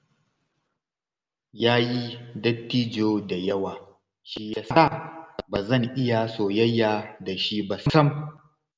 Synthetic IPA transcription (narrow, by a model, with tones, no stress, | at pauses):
jaː˦ji˦dɐ˦tːiː˦d͡ʒoː˦da˨jɐ˦waː˨ | ʃi˦jaː˦sa˦˨baː˨zɐ˦˨ŋʔɪ˦ja˨soː˨jɐ˦jːaː˨da˨ʃi˦ba˨ssɐ˦m